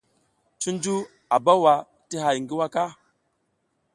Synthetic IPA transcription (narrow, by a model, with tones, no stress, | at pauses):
t͡ʃu˦nd͡ʒu˦ | a˨ba˦wa˨ | ti˦ɦa˨jŋɡi˦wa˦ka˦